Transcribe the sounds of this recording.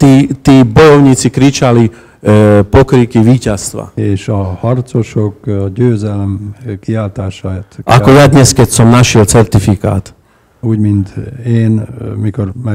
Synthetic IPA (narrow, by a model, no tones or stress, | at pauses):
t̪iːt̪iːbɔjɔʊɲiːt͡sikɾit͡ʃali | pɔkɾikiʋiːcast̪ʋa̰eːʃɔhɒrt̪t͡soʃokɟøːzɛlɛmkiaːlt̪aːʃaːt̪ʔa̰kɔjad̪ɲɛskɛcsɔmnaʃɪɛlt͡sɛɾt̪ifika̰ːt̪ | uːɟmint̪eːnmikoɾmɛ